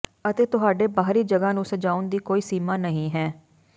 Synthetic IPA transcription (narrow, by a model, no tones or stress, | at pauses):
ət̪eːt̪ʊɦaːɖeːbaːɦɾiːd͡ʒəɡaːnũːsəd͡ʒaːʊnd̪iːkoːiːsiːmaːnəɦĩːɦɛː